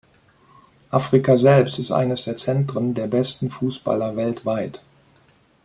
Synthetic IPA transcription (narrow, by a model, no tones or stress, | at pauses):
ʔafʁ̥ikazɛlpstɪstʔa̰ɪnəsd̥eːɐt͡sɛntʁ̥əndeːɐbɛstn̩fuːsb̥a̰lɐvɛltv̥aɪt